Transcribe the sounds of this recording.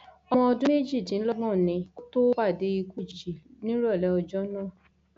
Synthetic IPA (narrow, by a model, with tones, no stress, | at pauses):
ɔ˧mɔ̃˧ɔ˧dũ˦me˦˨d͡ʒi˦˨tĩ˨˦n̩˦lɔ˦ɡɔ̃˦˨nĩ˧ko˦to˦wa˦˨de˨˦i˧ku˦˨d͡ʒd͡ʒi˨nĩ˦ɾɔ˦˨lɛ˨˦ɔ˧d͡ʒɔ˦nãː˦˨